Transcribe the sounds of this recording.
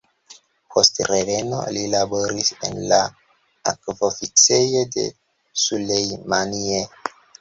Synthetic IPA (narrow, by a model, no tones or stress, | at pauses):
pʰo̞stɾeɡe̞no̞̰lilabo̞ɾise̞̰nla | a̰kvofit͡se̞jode̞̰ | sulejmanie